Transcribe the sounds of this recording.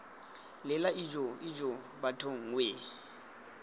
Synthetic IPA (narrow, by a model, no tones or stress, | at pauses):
lɪlaid͡ʒʼoid͡ʒʼo | batʰoŋ̩weː